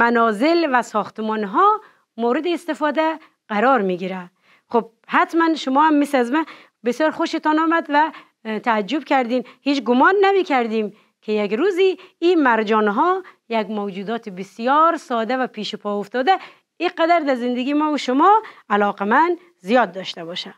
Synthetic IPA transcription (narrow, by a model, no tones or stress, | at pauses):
mænɔːzɪlvæsɔxt̪mɔnɦɔ | mowɾɪd̪iːst̪ɪfɔːd̪æ | ʁaɾɔɾmiɡiɾæ | xob̚hat̪mænʃʊmɔːhamːisæzmæ | besjɒɾxoʃet̪ɔnɒːmæd̪væ | t̪ʰaːd͡ʒːubkʲʰæɾd̪inhiːt͡ʃɡʊmɒnːæmikʰæɾd̪im | kʰejakɾuziːmæɾd͡ʒɔnɦɔjæɡmowd͡ʒuːd̪ɒːt̪ʰibisijɔːɾsɔːd̪ævæpʰiʃupʰɔoft̪ɔd̪æ | iqæd̪æɾd̪æɾzɪnd̪eɡimɔːuʃʊmɔælɔːqemænd̪ | zijɒd̪ːɔʃt̪æbɔʃæ̥